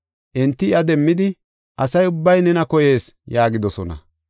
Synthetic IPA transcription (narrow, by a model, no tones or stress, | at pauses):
ʔɛnt̪ːɪɪɐd̪ɛmːɪd̪ɪ | ʔɐsɐjʊbːɐjnɛnɐkɔje̞ːsjaːɡɪd̪ɔsɔnɐ̰